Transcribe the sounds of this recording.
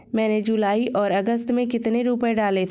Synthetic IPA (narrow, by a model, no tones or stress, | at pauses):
mɛ̃ːned͡ʒulaːiʔɔːɾɐɡəst̪mẽkɪt̪neɾuːpəeɖaːlet̪ʰː